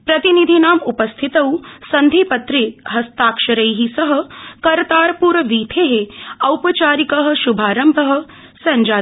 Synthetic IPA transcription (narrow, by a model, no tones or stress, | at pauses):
pɾɐt̪inid̪ʱinaːmupɐst̪ʰit̪ɐwsɐnd̪ʱipɐt̪ɾiɦɐst̪aːkʃɐɾɐjɦisɐɦɐ̆kɐɾt̪aːɾpuːɾɐʋiːt̪ʰeɦeɐwpɐt͡ʃaːɾikɐɦɐ̆ʃubʱaːɾɐmbʱɐɦɐ̆ | sɐɲd͡ʒaː